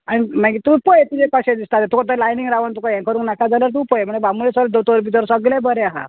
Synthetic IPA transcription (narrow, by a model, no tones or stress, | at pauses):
añimaɡit̪upɔjet̪id͡zekaɕẽd̪ist̪at̪ɛt̪ukat̪̬əlajniŋɡɾaʋənt̪ukajãŋkʰəɾũːŋknakad͡zalaɾt̪uːpɔjem̤əɳd͡zebamulesəld̪ot̪oɾbit̪əɾsəɡlãbəɾeaɦa̰